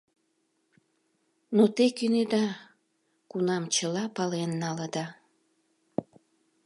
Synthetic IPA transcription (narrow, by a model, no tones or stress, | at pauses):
not̪ekyned̪ɑ | kunɑmt͡ɕəlɑpɑlenːɑləd̪ɑ